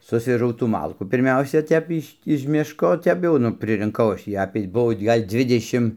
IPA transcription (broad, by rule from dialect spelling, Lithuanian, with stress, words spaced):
ˈsʊsʲʋʲɛʒɐʊ tuː ˈmɐlˠkuː pʲɪrʲˈmʲɛʊsʲɛ ˈtʲɛp ɪʃʲ ɪʃ ˈmʲɪʃkoː ˈtʲɛp jɛʊ ˈnʊ pʲrʲɪrʲɪŋˈkɐʊ ˈɐʃ tʲiː ˈɑːpʲeː ˈbuɔ ˈɡɐlʲ ˈd͡zʲʋʲɪdʲɛʃʲɪm